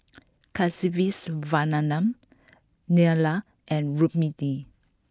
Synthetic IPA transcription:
kʰasivisvananãm | niala | ʔɛ̃nɹup̚midi

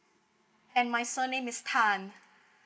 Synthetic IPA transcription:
ɛ̃nmajsənẽmistʰãn

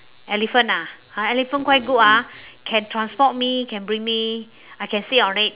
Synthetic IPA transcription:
ɛlifə̃na | aɛlifə̃nkwajt̚ɡutakʰɛ̃ntʰɹãnspɔt̚mikʰɛ̃nbɹĩŋmi | ajkɛ̃nsiɔ̃nɹɛt̚

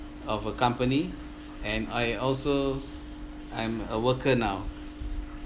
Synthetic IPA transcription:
ɔfəkãmpəni | ɛ̃najɔlso | ãj̃məwəkʰənaw

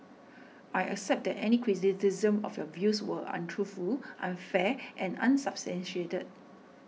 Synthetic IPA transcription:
ajɛ̰ksɛp̚d̪ɛtɛnikʰɹitisizə̃mɔ̰fjɔvjuswəʔã̰ntʰɹufulʔãnfɛʔɛ̃nã̰nsabstɛ̃nʃietəd̚

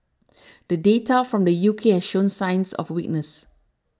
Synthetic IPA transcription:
d̥ədetafɹɔ̃mdəjukʰehɛsʃõnsãɪ̃nsɔ̰fwik̚nəs

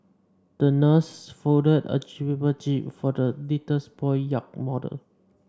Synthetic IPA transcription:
d̥ənəsfoʊdədə̰t͡ʃibibət͡ʃip̚fɔdəlitəsbɔɪjak̚mɔdə̰l

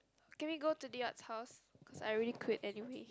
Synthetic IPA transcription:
kɛ̃nwiɡotudiatshaʊskʰɔsa̰jɹilikʰwɪtɛniwe

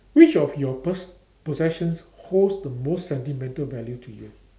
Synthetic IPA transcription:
wit͡ʃɔfjɔ | pɔzɛʃə̃nshosdəmostsɛ̃ntimɛ̃ntəlvɛljutʰujṵ

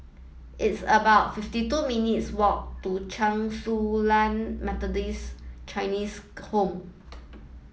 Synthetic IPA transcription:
ʔitsəbaʊt̚fiftituminitswɔk̚tut͡ʃãŋsulãnmɛt̪ɔdist͡ʃaɪnishõm

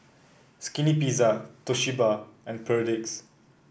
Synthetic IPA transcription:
skinipizatoʃibaɛ̃npʰədɪks

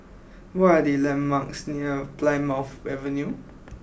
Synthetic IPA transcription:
wɔadelɛ̃mmaksniəplãɪmafɛvə̃nju

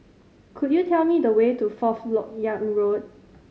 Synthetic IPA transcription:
kʰud̚jutʰɛlmidəwetufɔflɔk̚jãŋɹod̚

